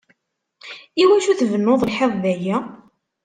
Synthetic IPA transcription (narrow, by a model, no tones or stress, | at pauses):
iwæʃuθvənːoðˤəlħevˤðæjæ